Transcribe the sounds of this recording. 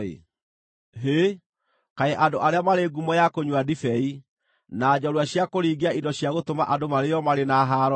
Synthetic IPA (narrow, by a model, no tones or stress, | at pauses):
ḛ | ɦe | kaeʔadoʔaɾeamaɾeːɡumɔjakoɲwadifɛi | naːd͡ʑɔɾwaɕjakoɾiːɡeaidɔɕjaɣotoma̰ʔadomaɾejɔmaɾenaɦaɾɔ